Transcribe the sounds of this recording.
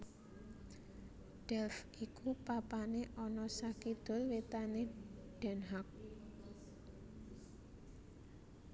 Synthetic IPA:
ɖ̥ɛlf | ikupapaneʔɔnɔsakid̪̥o̤lwet̪aneɖ̥ɛ̤nɦak̚

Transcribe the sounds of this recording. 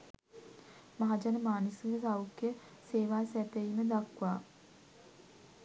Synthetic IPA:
maɦad͡ʒanəmaːnisuŋɡəsawukːjə | seːʋaːsæt̪eiməd̪akʋaː

